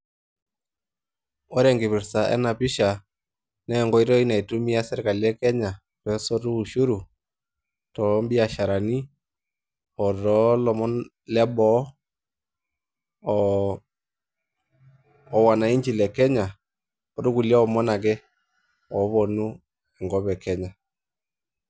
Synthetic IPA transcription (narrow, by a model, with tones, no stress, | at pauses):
ɔ˦ɾɛ˨ŋɡɪ˨βɪ˨ɾsa˨ʔɛ̰˦na˨pɪ˦ʃa˨ | nɛ˦˨ŋɡɔ˦i˦ɾɔ˦i˦na˨i˨tu˦mi˦a˦sɪ˦ɾka˨ljɛ˦kɛ˦ɲa˨ | pɛ˨˦sɔ˦tu˦˨ʃu˦ɾu˨ | tɔ˨˦mbi˦a˨ʃa˨ɾa˨ni˦ | ɔ˨tɔ˨˦lɔ˨mɔ˦n | lɛ˦bɔ˦˨ | wa˨na˨i˦ɲd͡ʒi˨lɛ˨kɛ˦ɲa˨ | ɔ˦ɾu˦ku˨lja˦ɔ˨mɔ˦na˨kɛ˦ | ɔ˨˦βɔ˨nu˦ | ɛ˨ŋɡɔ˦βɛ˨kɛ˦ɲa˨